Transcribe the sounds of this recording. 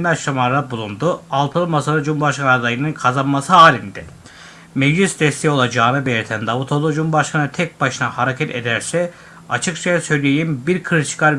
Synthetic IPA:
mæɾʃamaɾabulˠund̪ualˠt̪ʰɯlˠɯmasaɾɯd͡ʒumubaʃkʰanːˠaɾd̪ajinɯnkʰazanmasɯɦaːlʲind̪ɪ | mevʒysd̪ɛst̪ʰejo̞lˠad͡ʒaːnɯbelʲiɾt̪ʰænd̪avut̪ʰolˠud͡ʒumbaʃkʰanɯt̪ʰɛc̚baʃɯnahaɾacʰɛt̪ʰed̪æɾsɛ | a̰t͡ʃʰɯkt͡ʃʰajasø̞jlʲejimbiɾkʰɯɾt͡ʃʰɯ̥kʰaɾ

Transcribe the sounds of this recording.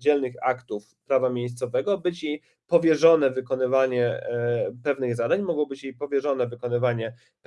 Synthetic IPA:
d͡ʑɛlnɘxa̰kt̪uf | pɾavamʲjejst̪sɔvɛɡɔbɘt͡ɕi | pɔvʲjɛʐɔn̪ɛvɘkɔnɘvaɲɛ | pɛvnɘɣzad̪aɲmɔɡwbɘt͡ɕjipɔvʲjɛʐɔn̪ɛvɘkɔnɘvaɲɛ | p

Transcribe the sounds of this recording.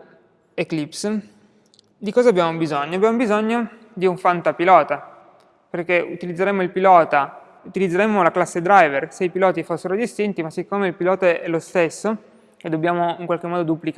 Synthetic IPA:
eklips | d̪ikɔːzaːbjaːmobizoɲːoabjaːmobizoɲːo | d̪iuɱfant̪apilɔːt̪a | perk̟eṵt̪ilid̪zːeɾemoilpilɔːt̪a | ut̪ilid̪zːeɾemːolaklasːed̪ɾajverseipilɔːt̪ifosːeɾod̪ist̪int̪imasːikːoːmeilpilɔːt̪aɛlost̪esːo | ed̪obːjaːmoiŋkwalk̟emːɔːd̪od̪uplik

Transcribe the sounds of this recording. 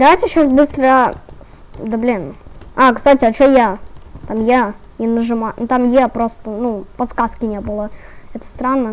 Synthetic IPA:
d̪ɐvajtʲɪɕːasbɨst̪ɾəj | d̪əblʲinakst̪atʲɪɐt͡ɕojat̪amja | nʲɪnəʐɨmant̪amjepɾost̪ənupɐt̪skaskʲɪnʲebɨlˠəɛt̪ə̥st̪ɾanːə

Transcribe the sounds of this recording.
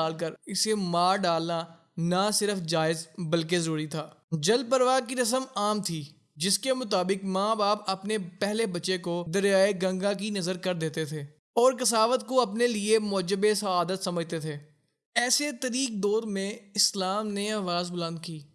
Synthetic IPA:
aːlkəɾɪsemaːɖaːlna | nasɪɾəfd͡ʒaːɪzbəlkezəɾuːɾit̪ʰaːd͡ʒəlpəɾʋaːkiɾɐs̬əmaːmt̪ʰiː | d͡ʒɪskemʊt̪aːbɪkmãːbaːpɐpnepɛɦlebɐːʃekod̪ɐɾjaːeɡɐ̃ŋɡãk̬inɐzəɾkəɾd̪eːt̪et̪ʰeː | ɔːɾkɐsaːʋət̪koɐpneliemʊd͡ʒəbesɐaːd̪ət̪sɐməd͡ʒʱt̪et̪ʰeː | ɛːset̪ɐɾiːk̚d̪ɔːɾmẽɪslaːmneaːʋaːzbʊlə̃nd̪̚kiː

